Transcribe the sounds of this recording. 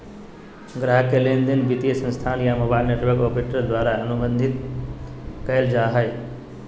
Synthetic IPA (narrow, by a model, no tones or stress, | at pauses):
ɡɾaɦkelend̪inbit̪ijəsə̃nst̪ʰaːnjamoːbaːɪlneʈʋəɾkopeʈəɾd̪waːɾaənubə̃nd̪ʱit̪ | kəeld͡ʒaːɦəj